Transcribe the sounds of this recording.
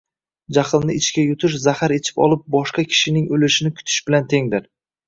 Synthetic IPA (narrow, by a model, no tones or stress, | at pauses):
d͡ʒaχɨlˠnɪɪt͡ʃkʲajʊt̪ʰɪʃ̬zahaɾet͡ʃʰɪ̥pɒ̰lˠɪp̚bɒʃqɑkʲʰɪ̥ʃɪnɪŋɵlɪʃɪnɪkʰʊ̥t̪ʰɪ̥ʃbɪlant̪ʰe̞ŋd̪ɪɾ